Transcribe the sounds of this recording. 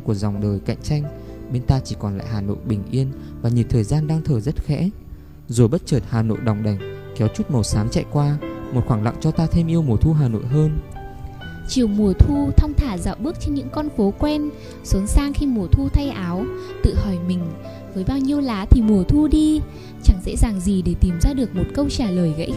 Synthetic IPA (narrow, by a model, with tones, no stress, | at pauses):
ku˧˩əza˨˩wŋ͡mɗəː˨˩jka̰˧˨jŋ̟t͡ɕa˧jŋ̟ɓe˧nt̪aː˧t͡ɕi˧˩kɔ˨˩nla̰ː˧˨jɦaː˨˩no̰˧˨jɓï˨˩ŋ̟ʔi˧ən | vaː˨˩ɲi˨˩t̪ʰəː˨˩jzaː˧nɗaː˧ŋt̪ʰəː˨˩zə˦˥t̚xɛ̰˧˥ | zo˨˩jɓə˦˥t̚t͡ɕəː˨˩t̚haː˨˩no̰˧˨jɗa˨˩wŋ͡mɗa˨˩jŋ̟ | kɛ˨˦wt͡ɕu˦˥t̚mə˨˩wsaː˨˦mt͡ɕa̰˧˨jkwaː˧mo˨˩xwaː˧˩ŋla̰˧˨ŋt͡ɕɔ˧t̪aː˧t̪ʰe˧mʔi˧əwmu˨˩ət̪ʰu˧ɦaː˨˩no̰˧˨jɦəː˧n | t͡ɕi˨˩əwmu˨˩ət̪ʰu˧t̪ʰə˧wŋ͡mt̪ʰaː˧˩za̰ː˧˨wɓɨ˦˥ək̚t͡ɕe˧nɲɨ̰˧˥ŋkɔ˧nfo˨˦kwɛ˧n | sə˨˦nsaː˧ŋxi˧mu˨˩ət̪ʰu˧t̪ʰa˧jʔaː˨˦wt̪ɨ̰˧˨hɔ˧˩jmï˨˩ŋ̟ | vəː˨˦jɓaː˧wɲi˧əwlaː˨˦t̪ʰi˨˩mu˨˩ət̪ʰu˧ɗi˧ | t͡ɕa˧˩ŋsɛ̰˧˥zaː˨˩ŋzi˨˩ɗe˧˩t̪i˨˧˩mzaː˧ɗɨ˨˩ək̚mo˨˩t̚kə˧wt͡ɕaː˧˩ləː˨˩jɣə̰˧˥j